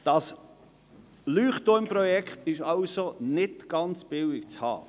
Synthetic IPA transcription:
d̥ɑs | lyːχtɔmpɾɔjɛkχtɪʃɑʊsonɪtɡ̥ɑnt͡sb̥ɪlɪkt͡shɑ̰ː

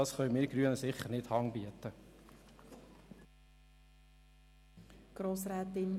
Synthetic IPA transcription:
ɑsχœʏmɪːɡ̥ɾyənəsɪχəɾnɪthɑŋbiətə | ɡ̥ɾoːsɾɛːtɪn

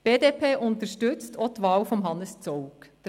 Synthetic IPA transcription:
b̥eːdeːpʰeːʔʊntəɾʃtʏt͡stʰɔt̪ʋɑːlfɔmɦɑnəst͡sɔʊkd̥

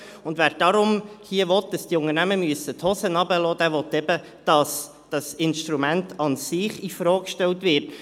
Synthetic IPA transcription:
ʊndvæːɾd̥ɑɾʊmhiəʋɔt̚d̥ɑsd̥iʊŋənæməmyəsətʰhɔsənɑbəlɔːd̥æːɾʋɔtːɛb̥ə | d̥ɑs | d̥ɑsɪnʃtɾumæntʰɑnsɪχifɾɔːkkʃtɛltʋɪɾt

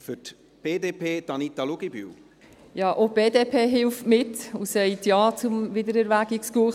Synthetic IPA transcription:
fʏt | b̥eːdeːpʰeːd̥ɑnit̪aluɡ̥iby̰w | jɑːʔob̥eːdeːpʰeːɦɪlftmɪtusɛɪtjɑːt͡sʊmvɪdəɾɛɾʋæɡ̥ɪkskuː

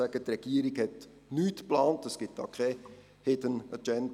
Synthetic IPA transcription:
æɡ̥ət̪rɛɡ̥iːəɾɪɡhɛt | nyːtplaːntəsɡ̥ɪt̚d̥ɑ̰ːkʰɛ | hɪdənəd͡ʒɛnd

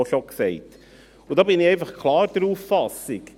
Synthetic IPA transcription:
oʃoksɛɪt | ʊdɑːbɪnɪɛɪnfɑχkʰlɑːɾd̥̪əɾuːffɑsɪk

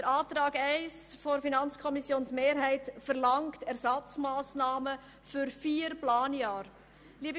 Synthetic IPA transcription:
dəɾaːtɾɑːɡɛɪsfoɾfinɑnt͡skʰɔmisjoːnsmeːɾɦɛɪtfəɾlɑŋktɛɾsɑt͡smaːsnaːmə | fyɾfiːɾplaːnjɑːɾ | liːəbə

